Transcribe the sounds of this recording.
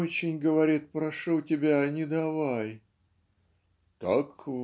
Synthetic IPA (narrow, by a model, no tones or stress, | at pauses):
ot͡ɕɪnʲɡəvɐɾʲit̪̚pɾɐʂutʲɪbʲanʲɪd̪ɐvaj | t̪ak